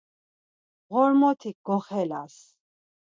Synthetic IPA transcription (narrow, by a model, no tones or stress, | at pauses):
ʁɔɾmɔt̪ʰik̚ɡɔχɛlas